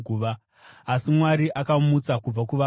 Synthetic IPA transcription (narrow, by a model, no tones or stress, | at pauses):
uːʋa | asimwaɾiʔakamut͡sakub͡vakuʋa